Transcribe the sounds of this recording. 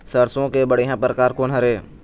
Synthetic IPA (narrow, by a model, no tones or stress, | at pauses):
səɾsõkebəɽejɦãːpɾəkaːɾkoːnɦɐɾeː